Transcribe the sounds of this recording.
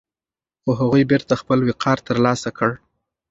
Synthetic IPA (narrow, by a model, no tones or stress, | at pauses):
xoɦaɣujbeɾt̪axpəlwɪqʰɑɾt̪əɾlɑsakəɽ